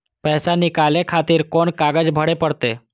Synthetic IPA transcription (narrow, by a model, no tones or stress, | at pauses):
pəɦsanikalekʰat̪iːɾkoɳkaɡəd͡ʑbʱəɽepəɽt̪e